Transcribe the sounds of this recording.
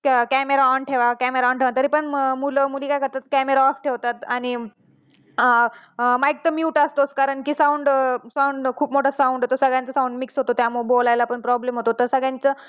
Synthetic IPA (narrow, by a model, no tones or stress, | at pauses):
kkæmeɾaɔɳʈʰeʋakæmeɾaɔ̃ɳʈʰeʋant̪əɾiːpəɳmuləmuliːkajkəɾt̪at̪kæmeɾaɔfʈʰeʋt̪at̪aɽ̃i | majk̚t̪əmjuːʈast̪oskaɾəɳkiːsãuɳɖsauɳɖkʰuːpmoʈʰasauɳɖot̪osəɡɭjãnt͡səsãũɳɖmiksɦot̪ot̪jamubolajlapəɳpɾɔblemɦot̪ot̪əɾsəɡɭjãnt͡sə